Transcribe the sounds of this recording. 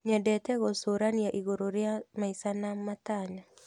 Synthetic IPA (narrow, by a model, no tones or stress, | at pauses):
ɲɛdɛtɛɣosoɾanijaʔiɣoɾoɾjamaisanamːataɲa